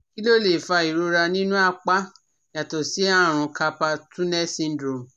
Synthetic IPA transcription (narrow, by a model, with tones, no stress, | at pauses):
ki˦lo˦˨le˨fa˧i˨ɾo˧ɾa˧nĩ˦nũ˦a˦˧k͡pa˦ | ja˨tɔ˨si˨˦a˦˨ɾ̃ũ˧ka˧pa˧tũ˦nɛ˦sĩ˧n˦dɾo˨m˨